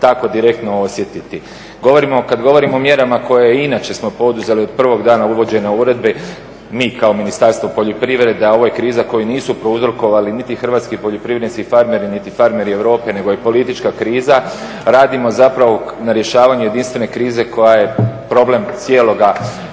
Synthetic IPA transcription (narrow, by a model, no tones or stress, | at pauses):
t̪ako̞d̪iɾek̚t̪noo̞sjet̪it̪i | ɡo̞ʋo̞ɾimo̞kad̪ɡo̞ʋo̞ɾimoomje̞ɾamako̞jeinaːt͡ɕe̞smo̞po̞d̪uze̞liod̪̚pr̩ʋo̞ɡd̪aːnauʋo̞d͡ʑe̞nauɾe̞d̪̚be̞ | miːkaominist̪aɾst̪ʋo̞po̞ʎo̞pɾiʋɾe̞d̪eo̞ʋojekɾiːzako̞juniːsupɾouzɾoko̞ʋalinit̪ixr̩ʋaːt̪skipoʎopɾiʋɾed̪skifaɾme̞ɾinit̪ifaɾme̞ɾie̞ʋɾo̞ːpe̞ne̞ɡo̞jepo̞lit̪it͡ʃkakɾiːza | ɾaːd̪imo̞zapɾaʋo̞naɾjeʃaːʋaɲuje̞d̪inst̪ʋe̞ne̞kɾiːze̞ko̞jaje̞pɾo̞ble̞mt̪sjeːlo̞ɡa